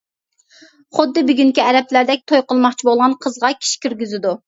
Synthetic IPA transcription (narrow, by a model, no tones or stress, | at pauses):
χʊd̪ːɨbyɡʲyŋkʲiɛɾɛplæɾd̪ɛk̚ʲt̪ʰojqəlˠmɑχt͡ʃʰibolˠʁɑnqʰəzʁɑkʲʰi̥ʃi̥kʲʰyɾɡʲyzɪd̪u